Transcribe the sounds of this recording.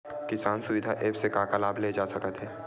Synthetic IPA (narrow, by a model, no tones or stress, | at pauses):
kɪsaːnsʊʋɪd̪ʱaʔeːpsekaːkalaːbʱled͡ʒaːsɐkət̪ɦɛː